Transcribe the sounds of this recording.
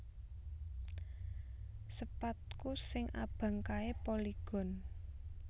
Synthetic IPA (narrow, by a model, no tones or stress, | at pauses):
səpat̪̚kusɪŋʔa̰b̥a̤ŋkaepoliɡ̥ɔ̤n